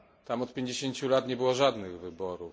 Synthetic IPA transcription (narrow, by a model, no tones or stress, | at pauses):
t̪amɔt̪̚pʲjeɲd͡ʑeɕeɲt͡ɕulat̪ɲɛbɘwɔʐad̪nɘɣvɘbɔɾu